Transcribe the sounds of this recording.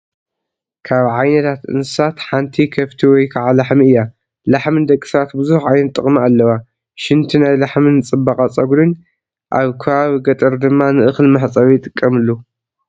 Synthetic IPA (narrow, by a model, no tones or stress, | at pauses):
kʰaβʕajnɐt̪ʰat̪ʔɨ̰nsɨ̥sat̪ħant̪ʰikʰɐft̪ʰiwɔjkʰaʕalaħmiɨjːa | laħmɨnd̪ɐkʼːi̥sat̪bɨzuħʕajnɐt̪ʼːɨχʼmaalːɐwa | ʃɪnt̪ʰinajlaħmɨnɨt͡sʼɨbakʼat͡sʼɐɡuɾɨn | ʔaβkʰɐβaβiɡɐt̪ʼɐɾd̪ɨmːanɨʔɨxlmaħt͡sʼɐβijɪt̪ʼɨkʼːɐmɨlːu